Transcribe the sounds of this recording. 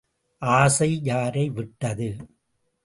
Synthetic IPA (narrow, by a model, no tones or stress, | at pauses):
ʔaːsɐɪjaːɾɐɪʋɪʈːɐðɯ